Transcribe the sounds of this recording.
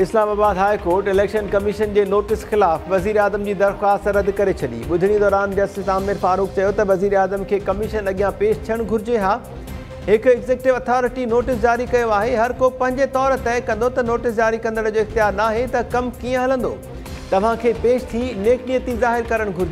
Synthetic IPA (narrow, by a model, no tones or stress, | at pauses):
ɪslaːmaːbaːd̪ɦaːikoːɾʈɪleːkʃənkɐmɪʃənd͡ʑeːnoːʈɪsxɪlaːfʋɐziːɾaːzəmd͡ʑiːd̪ɐɾxwaːst̪ɾɐd̪kɐɾet͡ɕʰɐɗḭːɓʊd̪ʱɪɽ̃id̪ɔːɾaːnd͡ʑɐsʈɪsaːmɪɾfaːɾuːk̚t͡ɕɐjot̪ɐʋɐziːɾaːzəmkʰeːkɐmɪʃənɐɠijãpeːʃt̪ʰiəɽ̃ɡʱʊɾɪd͡ʑeɦaː | ɦɪkɛɡzeːkʈɪʋɐt̪ʰɔːɾɪʈinoːʈɪsd͡ʑaːɾikɐjoaːɦeɦɐɾkopɐ̃ɦɪ̃ɲd͡ʑet̪ɔːɾt̪ɛːkɐ̃nd̪ot̪ɐnoːʈɪsd͡ʑaːɾikɐ̃nd̪əɽ̃d͡ʑoːɪxt̪ijaːɾnaːɦet̪ɐkɐmkiːə̃ɦɐlə̃nd̪o̰ː | t̪ɐʋ̤ãkʰeːpeːʃt̪ʰineːknijət̪izaːɦɪɾkɐɾəɽ̃ɡʱʊɾɪd͡ʑe